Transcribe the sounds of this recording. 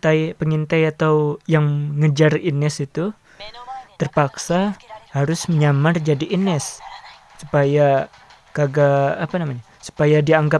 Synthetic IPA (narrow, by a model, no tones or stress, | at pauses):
t̪ajpəŋint̪ajat̪awjaŋŋəd͡ʒarinɛsit̪u | t̪ərpaksahaɾʊsməɲamard͡ʒadiʔinɛsː | upaja | kaɡaːpanamaɲa | su̥pajadiaŋɡa